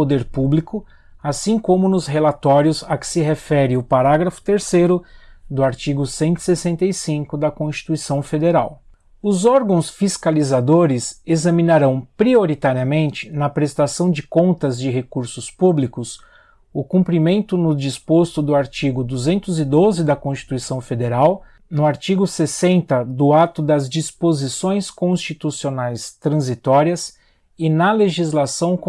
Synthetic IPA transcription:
od̪eɾpublikʊ | asĩkõmʊnʊsɦelat̪ɔɾjʊzɐkɪ̥sɪɦefɛɾɪʊpaɾaɡɾɐfʊ̥t̪eɾsejɾʊd̪ʊaɾt͡ʃiɡʊsẽnt̪i̥sesẽnt̪ejsĩŋkʊd̪ɐkõst͡ʃi̥t̪uisɐ̃w̃fed̪eɾaw | ʊzɔɾɡɐ̃w̃sfiskalizad̪oɾɪsezɐmĩnaɾɐ̃w̃pɾioɾit̪aɾiɐmẽnt͡ʃɪ̥nɐpɾest̪asɐ̃w̃d͡ʒɪkõnt̪ɐzd͡ʒɪɦekuɾsʊspublikʊs | ʊkũmpɾimẽnt̪ʊnʊd͡ʒispost̪ʊd̪ʊaɾt͡ʃiɡʊd̪uzẽnt̪ʊzɪd̪ozɪd̪ɐkõst͡ʃi̥t̪uisɐ̃w̃fed̪eɾaw | nʊaɾt͡ʃiɡʊsesẽnt̪ɐd̪ʊat̪ʊd̪ɐzd͡ʒispozisõj̃skõst͡ʃit̪usionajst̪ɾɐ̃zit̪ɔɾiɐs | ɪnɐleʒizlasɐ̃w̃k

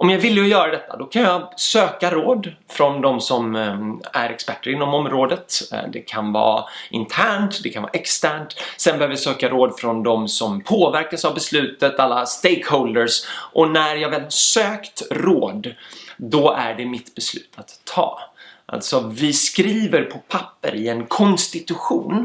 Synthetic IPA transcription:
ʔɔmjɑːɡvɪlːjəʊjœːɾad̪ɛt̪ʰːa̰d̪ɔkʰanjɑsøːkaɾoːd̪fɾɔnd̪ɔmsɔmæ̰ɾɛkspæʈːəɾɪnːɔmɔmːɾoːd̪ət̪d̪ɛkʰanvɑ̰ːɪnt̪ʰæːɳʈd̪ɛkʰanvɑ̰ːʔɛkst̪æːɳʈsɛnbɛhøːvəjasøːkaɾoːd̪fɾɔnd̪ɔmsɔmpʰoːvæɾkasavbɛslʉ̟ːt̪ət̪alːast̪ejkhɔld̪əɾsʔɔnæɾjɑːɡvɛːlhsøːkt̪ɾoːd̪d̪ɔʔæ̰ɖɛmɪt̪bɛslʉ̟ːt̪ʰat̪ʰːɑ̰ːʔa̰lt̪sɔvɪskɾiːvəɾpʰɔpʰapːə̰ɾɪɛnkʰɔnst̪ɪt̪ɵɧṵːn

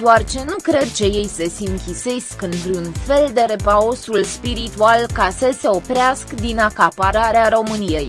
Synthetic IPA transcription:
d̪oart͡ʃe̞nukɾe̞d̪̚t͡ʃe̞je̞jsesʲiɨŋkʲise̞skɨnt̪ɾʲunfe̞ld̪e̞ɾe̞pao̞sulspiɾit̪ualkasəse̞o̞pɾeaskd̪inakapaɾaɾeaɾo̞mɨnije̞j

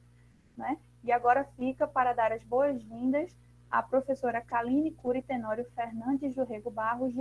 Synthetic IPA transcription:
nɛ | iaɡɔɾɐfikɐpaɾɐd̪aɾɐzboɐzvĩnd̪ɐs | a̰pɾofesoɾɐkalĩnikuɾit̪enɔɾjʊfeɾnɐ̃nd͡ʒɪzuɦeɡʊbaɦʊʒ

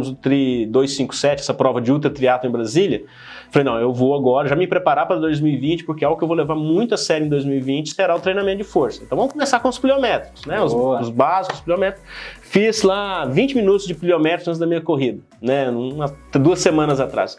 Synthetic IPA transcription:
mʊzʊt̪ɾid̪ojsːĩkʊ̥sɛt͡ʃɪɛsɐpɾɔvɐd͡ʒɪut̪ɾt̪ɾiat̪ʊẽbɾazilʲjɐ | fɐlejnɐ̃w̃ewvoaɡɔɾɐʒamɪpɾepaɾapɾɐd̪ojzmiwivĩnt͡ʃɪ̥pʊɾkeawɡʊkɪewvolevaɾmũj̃t̪ʊasɛɾʊẽd̪ojzmiwivĩnt͡ʃɪ̥seɾaʊt̪ɾej̃namẽt̪ʊd͡ʒɪfoɾsɐ̥ẽt̪ɐ̃w̃vɐ̃mʊkõmesakõʊspliomɛt̪ɾʊsnɛʊzʊzbazikʊʊspliomɛt̪ɾʊsfizlavĩnt͡ʃɪmĩnut̪ʊzd͡ʒɪpliomɛt̪ɾʊzɐ̃nzd̪ɐmĩɲɐkoɦid̪ɐ | nɛnũmɐd̪uɐsemɐ̃nɐzat̪ɾa̰s

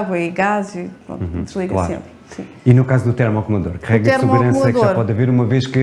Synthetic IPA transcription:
ɣwɐiɣazipɾõ̰ñd̪ʒlˠiɣɐlˠaseɾ̃mpɾ | sĩ | inukazud̪ut̪ɛɾmɔkmɐðoɾkʁɛɣt̪ɛɾmsɨmɣuɾɾɐ̃sɐɛðʒaoɾpɔðɐveɾumɐveʃkɨ

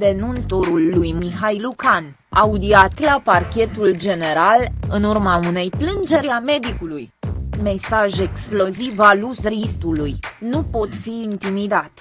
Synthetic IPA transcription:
d̪e̞nunt̪oɾulːujmiɦajlukan | aud̪iat̪laparkʲe̞t̪uld͡ʒe̞ne̞ɾalɨnurmaune̞jplɨnd͡ʒe̞ɾeame̞d̪ikulujme̞saʒe̞ksplo̞zivalusrist̪ulujnupo̞t̪fiːnt̪imid̪at̪

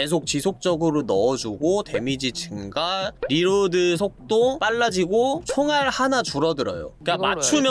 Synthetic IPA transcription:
e̞s̬ʰok̚t͡ɕisʰok̚t͡ɕ͈ʌɡɯɾonʌːd͡ʑuɡote̞mid͡ʑit͡ɕʰɯnɡaɾiɾodɯsʰok̚t͈op͈aɭːad͡ʑiɡot͡ɕʰoŋaɭhanat͡ɕuɾʌdɯɾʌ̰jo̰kama̰t͡ɕʰumjʌ

